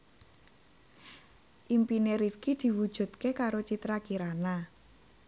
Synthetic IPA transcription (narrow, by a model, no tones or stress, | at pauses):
ʔimpineɾifkid̪̥i̤wu̥ʒ̥ṳt̪̚kekaɾot͡ʃit̪ɾakiɾana